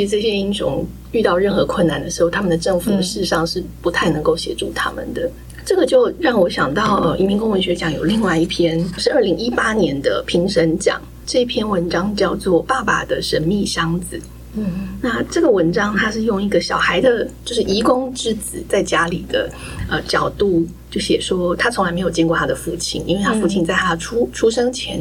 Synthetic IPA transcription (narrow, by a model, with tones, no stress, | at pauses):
y˧˥ʈ͡ʂɤ˥˩ɕjɛ˥i˥nʂʊ̰˧˥ŋ | y˥˧t̪ɑ˥˧ʊɻə˥˩nxɤ˧˥kʰwə˥˩nːa˨˩nd̪ə˩ʂɻ̩˧˥xo˥˩ʊt̪ʰa˥mə˨nd̪ə˩ʈ͡ʂɤ˥˩ŋfu˨˩d̪əʂɻ̩˥˧ʂɑ˥˧ŋʂɻ̩˥˩pu˧˥t̪ʰa˥˩ɪnɤ˧˥ŋko˥˩ʊɕjɛ̰˧˥ʈ͡ʂu˥˩t̪ʰa̰˥mə̰˨nd̪ə˩ | ʈ͡ʂɤ˥˩ɡə˩t͡ɕjo˥˧ʊɻɑ˥˩ŋwɔ˧˥ɕjɑ˨˩ŋt̪ɑ˥˩ʊʔə˧˩ḭ˧˩mi˧˥ŋkʊ˥ŋwə˧˥ɕɥɛ˧˥t͡ɕjɑ˨˥ŋjo˨˩ʊli˥˧ŋwa˥˧ɪi˥˩pʰjɛ˥nʂɻ̩˥˧ə˞˥˩li˧˥ŋi˥pa˥njɛ˧˥nd̪ə˧pʰi˧˥ŋʂə˧˥nt͡ɕjɑ̰˨˩˦ŋ | ʈ͡ʂɤ˥˩i˥˩pʰjɛ˥nwə˧˥nʈ͡ʂɑ˥ŋt͡ɕjɑ˥˧ʊt͡swɔ˥˩pa˥˩ba̰˨˩d̪ə˩ʂə˧˥nmi˥˩ɕɑ˥ŋd͡zɹ̩˨˩ | na˥˩ʈ͡ʂɤ˥˩ɡə˩wə˧˥nʈ͡ʂɑ˥ŋt̪ʰa˥ʂɻ̩˥˧jʊ˥˩ŋi˧˥ɡə˨ɕjɑ˨˩ʊxa˧˥ɪd̪ə˨t͡ɕjo˥˧ʊʂɻ̩˥˩i˧˥kʊ˥ŋʈ͡ʂɻ̩˥t͡sɹ̩˨˩t͡sa˥˩ɪt͡ɕja˥lḭ˨˩d̪ə̰˦ | ə˧˩t͡ɕjɑ̰˨˩ʊt̪u˥˩t͡ɕjo˥˩ʊɕjɛ˨˩ʂwɔ˥t̪ʰa˥t͡sʰʊ˧˥ŋla˧ɪme˧˥jo˨˩ʊt͡ɕjɛ˥˧kɔ˥˩t̪ʰa˥d̪ə˨˩fu˥˩t͡ɕʰi˥˩nḭ˥nwe˥˧t̪ʰa˥fu˥˩t͡ɕʰi˥˧nt͡sa˥˩ɪt̪ʰa˥ʈ͡ʂʰu˥ʈ͡ʂʰu˥ʂɤ˥ŋt͡ɕʰjɛ̰˧˥n